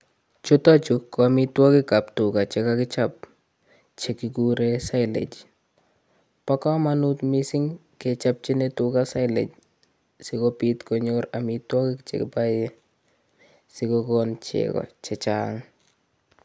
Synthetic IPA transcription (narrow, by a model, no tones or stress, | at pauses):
t͡ʃʊtɔt͡ʃʊkːɔamɪtwɔkɪkaptʊkat͡ʃekakɪt͡ʃap̚ | t͡ʃekɪɡuɾesaɪlḛd͡ʒ | pɔkɔmanut̪misɪŋ | ket͡ʃap̚t͡ʃɪnetʊkasaɪlḛd͡ʒ | sɪkɔpit̪kɔɲoɾamitwɔkɪkt͡ʃḛkɪ̰paje | sɪkɔkɔnt͡ʃḛkɔ̰t͡ʃɛt͡ʃa̰ŋ